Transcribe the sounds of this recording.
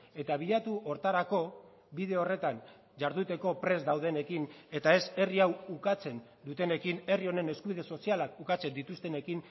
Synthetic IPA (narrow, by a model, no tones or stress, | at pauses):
e̞t̪aβ̞iʎat̪uʔo̞ɾt̪aɾako̞ | βiðe̞o̞re̞t̪aɲ | ʝaɾðut̪e̞ko̞pɾe̞zd̪awð̞e̞ne̞kine̞t̪ae̞se̞riawukat͡se̞n | d̪ut̪e̞ne̞kine̞rio̞ne̞ne̞skuβiðe̞so̞sialakukat͡se̞nd̪it̪ust̪e̞ne̞kin